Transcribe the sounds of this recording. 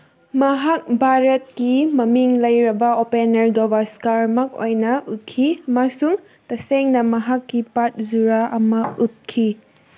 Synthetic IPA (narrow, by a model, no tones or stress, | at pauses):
mɐɦak̚bʱaɾɐt̚kimɐmiŋlɐjɾɐbɐopenɐɾɡobaskaɾmɐko̰jnɐʔut̚kʰimasuŋ | tɐseŋnɐmɐɦakːipat̚zuɾaʔɐmɐut̚kʰi